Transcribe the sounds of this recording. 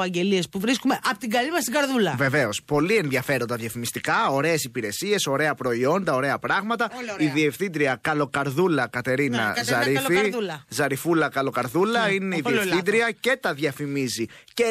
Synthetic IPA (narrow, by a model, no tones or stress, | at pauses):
ɐɲɟe̞liespuvɾiskumeʔɐpot̪iɡɐlimɐst̪iɡɐɾðulɐve̞ve̞o̞spo̞lie̞nðʝɐfe̞ɾo̞nd̪ɐðʝɐfimist̪ikɐo̞ɾe̞ːsipiɾe̞sie̞so̞ɾe̞ɐpɾo̞io̞nd̪ɐo̞ɾe̞ɐpɾɐɣmɐt̪ɐiðie̞fθind̪ɾiɐkɐlo̞kɐɾðulɐkɐt̪e̞ɾinɐ̰zɐɾifizɐɾifulɐkɐlo̞kɐɾðulɐine̞iðieffθind̪ɾiɐce̞t̪ɐðʝɐfimizice